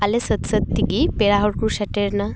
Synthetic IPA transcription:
alesət̪sət̪t̪ːiɡipeɭaɦoɽkɾuɕaʈeɾna

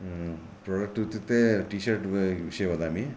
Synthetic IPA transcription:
pɾoːɖɐk̚ʈut̪ːit̪ːeʈiːʃɐɾʈʋiʃɐjɐʋɐd̪aːmi

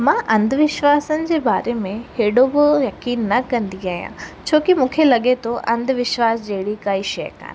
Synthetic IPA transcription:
mãːʔɐ̃nd̪ʱʋɪʃʋaːsənɪ̆d͡ʑeːbaːɾemẽheːɽobɪjɐkiːnːɐkɐ̃nd̪iaːɦijã̰ːt͡ɕʰoːkimũːkʰelɐɠet̪ʰoʔɐ̃nd̪ʱʋɪʃʋaːsd͡ʑeːɽikaːiʃɐjka̰ːn

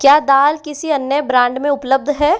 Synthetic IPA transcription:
kjaːd̪aːlkɪsiɐnːjəbɾãːɳɖmẽʊpləb̚d̪ʱɦɛː

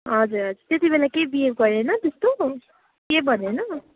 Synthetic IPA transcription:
ɦʌd͡zuɾɦʌd͡zuɾt̪et̪ibelakebieɡɡʌɾenʌt̪est̪o | kebʌnenʌ

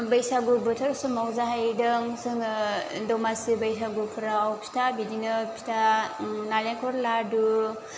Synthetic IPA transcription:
bəjsaɡubɯtʰaɾsumawzaɦajdɯŋsɯŋdɔmasibajsaɡupʰɯɾaːwpʰi̥tʰabidinɯpʰi̥tʰanaleŋkʰɔɾladu

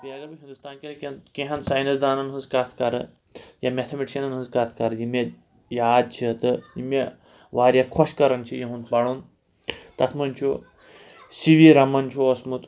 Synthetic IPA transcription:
biaɡɐbɨɦind̪ust̪aːnkʲinkʲnkĩɦɐnsaːjnɐsd̪aːnɐnɦɨnzkat̪ʰkɐɾɨ̰ | jamʲet̪ʰɐmiʈiʃɐnɐnɦɨnzkat̪ʰkɐɾɨjime | jaːd̪̚t͡ʃʰit̪ɨjime | ʋaːɾjakʰɔʃkɐɾɐnt͡ʃʰijiɦũnt̪̚bɐɽuːn | t̪ɐt̪ʰmɐnʲt͡ʃʰo | siʋiɾɐmɐnt͡ʃʰoɐsmut̪

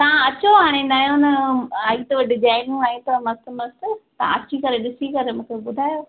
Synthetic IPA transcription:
t̪ɐãɐt͡ɕoɦaːɽ̃enaːjõnɐaːit̪oʋɐɖɪd͡ʒaːɪnɪ̃ŋɡaːĩt̪ɐmɐst̪mɐst̪t̪ɐã̰ɐt͡ɕikɐɾeɗɪsikɐɾemũːkʰeɓʊd̪ʱaːjoː

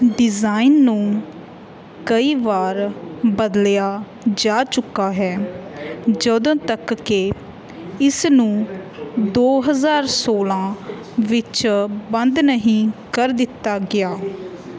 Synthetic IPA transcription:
ɖɪzaːinːũː | kəiːʋaːɾbəd̪ljaː | d͡ʒaːt͡ʃʊkːaːɦɛː | d͡ʒəd̪õːt̪əkːe | ɪsnũː | d̪oːɦəzaːɾsoːlãː | ʋɪt͡ʃbənd̪nəɦĩːkəɾd̪ɪt̪ːaːɡɪaː

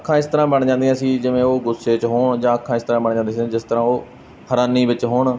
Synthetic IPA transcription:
əkʰːãːɪst̪əɾãːbəɳd͡ʒãːnd̪ijãːsiːd͡ʒɪʋẽːoːɡʊsːeːt͡ʃɦoːɳd͡ʒãːəkʰːãːɪst̪əɾãːbəɳd͡ʒãːnd̪ẽːsd͡ʒɪst̪əɾãːoː | həɾaːniːʋɪt͡ʃɦoːɳ

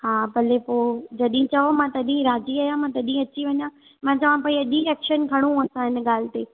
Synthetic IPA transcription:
haːbʱɐlepoːd͡ʑɐɗĩt͡ɕɐʋomãt̪ɐɗĩɾaːd͡ʑiaːjãmãt̪ɐɗĩɐt͡ɕiʋɐɲã | mãːt͡ɕɐʋ̤ãpãːĩɐʄĩɛːkʃənkʰɐɽ̃ũɐsãɦɪnɠaːl̤ɪt̪eː

